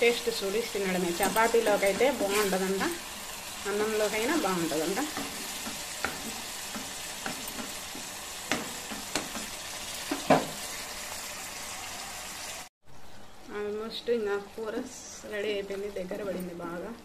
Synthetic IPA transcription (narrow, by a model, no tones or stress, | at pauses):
ʈeːsʈusuɽist̪inːɐɽɐmeːt͡ʃɐpaːt̪iloːkɐjt̪eːbaːuɳʈɐd̪ɐɳʈa | ɐnːɐmloːkɐjnaːbaːuɳʈɐd̪ɐɳʈa | ɐʋmoːsʈuiŋkaːkʰuːɾɐs | ɾɐɽiɐjpend̪id̪ɛɡːɐɾɐbɐɽind̪ibaːɡɐ